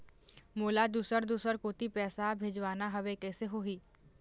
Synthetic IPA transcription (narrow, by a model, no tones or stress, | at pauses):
moːlad̪uːsəɾd̪uːsəɾkoːt̪ipɛːsabʱeːd͡ʒʋaːnaɦɐʋekɛːseɦoːɦiː